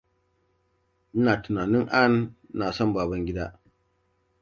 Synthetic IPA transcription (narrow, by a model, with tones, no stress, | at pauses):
n̩˦naː˨tʊ˨naː˨nɪ˦ŋʔa˦n˦na˨sɔ˦mbaː˨bɐ˦ŋɡʲɪ˦da˦